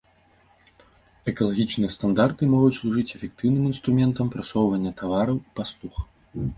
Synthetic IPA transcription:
ɛkɐlˠaɣʲit͡ʂnɨjɐst̪and̪art̪ɨmɔɣut͡sʲslˠuʐɨt͡sʲɛfʲɛkt̪ɨwnɨmin̪st̪ɾumʲɛnt̪ɐmpɾasɔwvɐnʲːɐt̪avaɾɐwipaslˠux

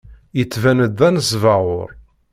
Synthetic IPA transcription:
jət͡sːvænəd̪ːænəsvɑʁʊɾ

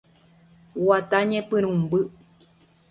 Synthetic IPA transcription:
wat̪aɲepɨɾ̃ũmbɨ

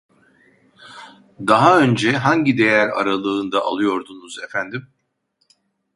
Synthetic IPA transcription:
d̪aɦaø̞nd͡ʒɛɦaɲɟid̪e̞jæɾa̰ɾalˠɯːnd̪aʔa̰lˠɯjo̞ɾd̪unuzefænd̪im

